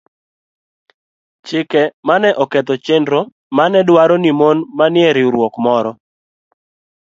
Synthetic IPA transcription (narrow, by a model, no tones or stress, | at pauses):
t͡ʃɪkɛmanɛʔɔkɛt̪ɔt͡ʃendɾɔ | manɛdwaɾɔnimonmanɪɛɾɪɾwɔkmɔɾɔ